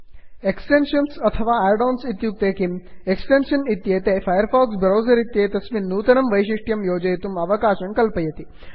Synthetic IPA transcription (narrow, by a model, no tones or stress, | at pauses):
eksʈenʃɐnsɐt̪ʰɐʋaːaɖoːnsit̪juk̚t̪eːkimeksʈenʃɐnit̪jeːt̪eːfaːjəɾfɔːksbɾoːzɐɾit̪jeːt̪ɐsʋinːuːt̪ɐnɐmʋɐjʃiʂʈjɐmjoːd͡ʒɐjt̪umɐʋɐkaːʃɐɳkɐlpɐjɐt̪i